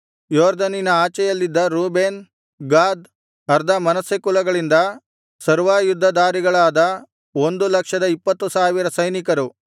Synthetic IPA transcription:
joːɾd̪ɐninɐaːt͡ʃɛjɐlːid̪ːɐɾuːbeːn | ɡaːd̪ | ɐɾd̪ʱɐmɐnɐsekulɐɡɐɭind̪ɐ | sɐɾʋaːjud̪ʱːɐd̪aːɾiɡɐɭaːd̪ɐ | o̞nd̪ulɐkʂɐd̪ɐipːɐt̪ːusaːʋiɾɐsɐjnikɐɾu

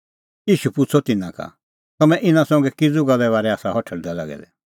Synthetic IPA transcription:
jiːʃupʊt͡sʰɔt̪ɪnãka̰ | t̪ɐmɛ̃ʔɪnãsɔ̃ŋɡɛkid͡zuɡɐlɛβaːɾɛaːsaɦɔʈʰəɽd̪ala̰ɡɛ̰d̪ɛ̰

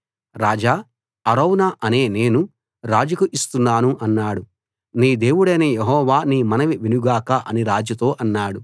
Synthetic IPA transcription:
ɾaːd͡ʒaː | ɐɾɐwnaʔɐne̞ːne̞ːnu | ɾaːd͡ʒɐkuʔist̪unːaːnuʔɐnːaːɽu | niːd̪e̞ːwuɽɐjnɐjeɦɔːʋaːniːmɐnɐʋiʋinuɡaːkɐʔɐniɾaːd͡ʒjɐt̪o̞ːʔɐnːaːɽu

